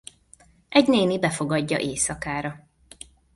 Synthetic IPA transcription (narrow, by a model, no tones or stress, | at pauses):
ʔɛɟneːnibɛfo̞ɡɒɟːɒ̰ʔeːsɒkaːɾɒ